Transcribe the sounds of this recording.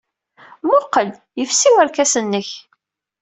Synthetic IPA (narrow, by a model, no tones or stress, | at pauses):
mʊqːəl | jəfsiwæɾkæsənːəç